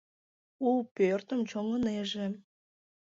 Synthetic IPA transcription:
upørt̪əmt͡ɕoŋəneʒe

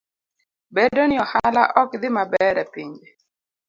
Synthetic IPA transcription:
bedonɪɔhalaʔɔkd̪ɪmabɛɾɛpiɲd͡ʒe

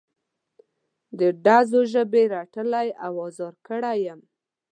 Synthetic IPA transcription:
d̪əɖazoʒəbeɾaʈəlajawɑzɑɾkəɽajəm

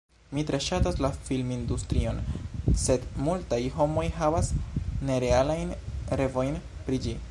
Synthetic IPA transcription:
mitɾe̞ʃataslafilmindustɾio̞nse̞dmultajɦo̞mo̞jɦavasne̞ɾe̞alajnɾe̞vo̞jnpɾid͡ʒi

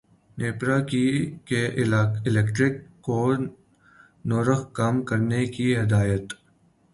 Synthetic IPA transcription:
neːpɾaːkikeʔɪlekʈɾɪkːoː | noːɾəxkamkɐɾnekiɦɪd̪aːjət̪

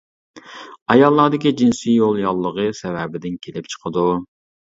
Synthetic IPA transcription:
ɑjɑlˠːɑːd̪ɪkʲid͡ʒinsijolˠjɑlˠːəʁəsɛvɛbɪd̪ɪnkʲʰelɪp̚t͡ʃʰə̥qʰəd̪u

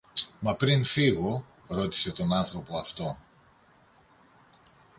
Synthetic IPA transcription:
mɐpɾinfiɣo̞ | ɾo̞t̪i̥se̞t̪o̞nɐnθɾo̞po̞ɐft̪o̞

